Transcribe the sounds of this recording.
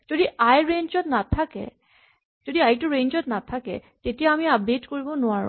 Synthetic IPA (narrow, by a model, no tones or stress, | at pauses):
d͡ʒod̪iajɹeɲd͡ʒɔt̪nat̪ʰakḛ | d͡ʒod̪iajʈuɾend͡ʒɔt̪nat̪ʰakḛtetiɛamiap̚ɖeʈkoɹibonoaɹ̰